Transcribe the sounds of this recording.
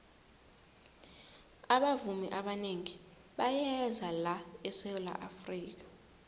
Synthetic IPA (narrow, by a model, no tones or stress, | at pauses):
aɓavumiʔaɓaneŋi | ɓajɛzalaɛsɛla̰ʔafriːk̬ḁ